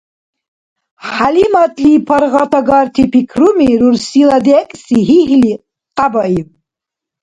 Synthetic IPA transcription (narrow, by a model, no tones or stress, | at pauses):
ħalimat̪ʼlipʰɔɾʁɑt̪ʰaɡɑɾt̪ʰipʰikʰɾumiɾuɾsilad̪ɛkʼsiɦiɦli | qʼabaiw